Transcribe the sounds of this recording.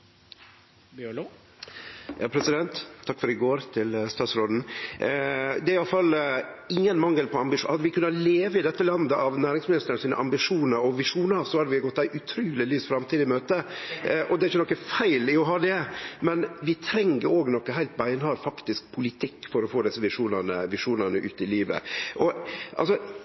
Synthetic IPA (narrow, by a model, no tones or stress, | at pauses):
b | jɑ̰ːpʰɾɛsɪd̪ɛnt̪ʰːɑkːfɔɾɪɡoːɾt̪ʰɪlst̪ɑːt̪sɾoːd̪n̩ | d̪ɛæɾɪjɑlfɑlɪŋːənmɑŋːəlpɔɑmbɪʂhɑd̪ːəʋɪkʉnːɑleːʋəɪd̪ɛt̪ːəlɑnd̪əʔɑʋnæːɾɪŋsmɪnɪst̪əɾənsiːnə̰ʔɑmbɪʂuːnəɾɔʋɪʂuːnəsɔhɑd̪ɛʋɪɡɔt̪ːæɪʔʉt̪ʰɾyːlɪlyːsfɾɑmt̪ʰiːd̪ɪmøːt̪əʔɔd̪ɛɾɪçːənɔkːəfæɪlɪɔɦɑːd̪ɛmɛnʋɪt̪ʰɾɛŋːəɾoːɡnɔkːəɦæɪlt̪̚bæɪnhɑɾfɑkt̪ɪsk̚pʰʊlɪt̪ʰɪkːfɔɾɔfoːd̪ɪsːəʋɪʂuːnənəʋɪʂuːnənəʔʉːt̪ɪliːʋə̰ʔɔʔɑ̰lsɔ